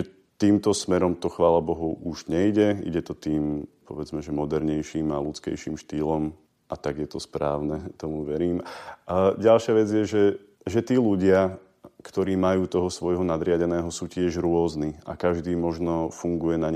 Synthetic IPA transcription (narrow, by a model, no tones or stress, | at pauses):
ɛ | t̪iːmt̪ɔsmɛɾɔmt̪ɔxʋaːlabɔɦɔʊʔuʒɲɛiɟɛḭɟɛt̪ɔt̪iːmpɔʋɛd͡zmɛʒɛmɔd̪ɛɾɲɛjʃiːmalut͡skɛ̰jʃiːmʃt̪iːlɔm | ʔat̪aɡjɛt̪ɔspɾaːʊnɛt̪ɔmuʋɛɾiːm | ɟalʃɪaʋɛd͡zɪjɛʒɛ | ʒɛt̪iːluɟɪa | kt̪ɔɾiːmajuːt̪ɔɦɔsʋɔjɦɔnad̪ɾɪaɟɛnɛːɦɔsuːcɪɛʒɾʊɔznia̰kaʒd̪iːmɔʒnɔfuŋɡujɛnaɲ